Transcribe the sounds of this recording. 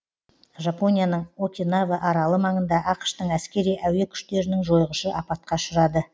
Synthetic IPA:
ʒapo̞nʲijanəɴokʲinavəʔɑɾɑlˠəmɑɴənd̪ɑʔɑqʃt̪əɴæskʲe̞ɾijʔæwe̞kʲʰʏ̥ʃt̪e̞ɾɪnɪŋʒo̞jʁəʃəʔɑpɑt̪̚qɑʃəɾɑd̪ə

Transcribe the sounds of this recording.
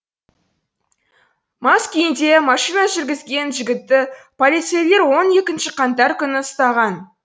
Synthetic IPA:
mɑskʲejɪnd̪e̞mɑʃijnɑʒɪɾɡʲɪzɡʲe̞nʒɪɡʲɪt̪ːɪpʰolˠit̪se̞jle̞ɾwo̞ne̞kʲɪnʃɪqʰɑnt̪ɑɾkʲʰʏnɪəst̪ɑʁɑn

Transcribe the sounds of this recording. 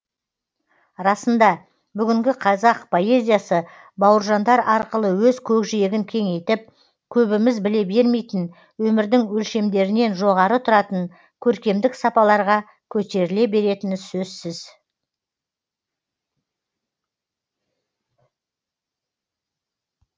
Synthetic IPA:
ɾɑsənd̪ɑ | bʏɡʲɪŋɡʲɪqʰɑzɑqpʰo̞e̞zʲijasə | bɑwəɾʒɑnd̪ɑɾɑɾqəlˠəwɵzkʲʰɵkʒijeɡʲɪŋkʲʰe̞ŋe̞jt̪ɪp̚ | kʲʰɵbɪmɪzbɪle̞be̞ɾme̞jt̪ɪn | wɵmɪɾd̪ɪŋwɵlʃe̞md̪e̞ɾɪne̞nʒo̞ʁɑɾət̪ʰʊɾɑt̪əɴ | kʲʰɵɾkʲe̞md̪ɪksɑpɑlˠɑɾʁɑ | kʲʰɵt̪e̞ɾɪle̞be̞ɾe̞t̪ɪnsɵzsɪz̥

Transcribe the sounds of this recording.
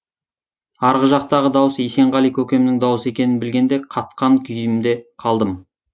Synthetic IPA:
ɑɾʁəʒɑq̚t̪ɑʁəd̪ɑwəsejse̞ɴʁɑlijkʲʰɵkʲe̞mɪnɪŋd̪ɑwəsəe̞kʲe̞nɪnbɪlɡʲe̞nd̪e̞qʰɑt̪̚qɑŋkʲʰʏjɪmd̪e̞qʰɑlˠd̪əm

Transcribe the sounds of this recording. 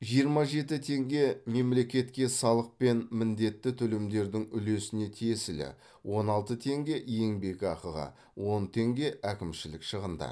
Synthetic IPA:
ʒijəɾmɑʒe̞t̪ɪt̪ʰe̞ŋɡʲe̞me̞mle̞kʲe̞t̪kʲe̞sɑlˠəq̚pe̞nmɪnd̪e̞t̪ːɪt̪ʰʏlɪmd̪e̞ɾd̪ɪŋʏle̞sɪne̞t̪ʰijesɪlɪ̰ | wʔo̞nɑlˠt̪ət̪ʰe̞ŋɡʲe̞ʔje̞ŋbe̞kʲɑqəʁɑ̰ | wo̞nt̪ʰe̞ŋɡʲe̞ʔækʲɪmʃɪlɪkʃəʁənd̪ɑ̰

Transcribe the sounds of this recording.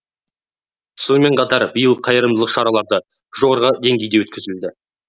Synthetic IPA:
so̞nme̞ɴqʰɑt̪ɑɾbijəlˠqʰːɑjəɾəmd̪əlˠəqʃɑɾɑlˠɑɾd̪ə | ʒ̥o̞ʁɑɾʁəd̪e̞ŋɡʲe̞jd̪ewɵt̪̚kʲɪzɪld̪ɪ

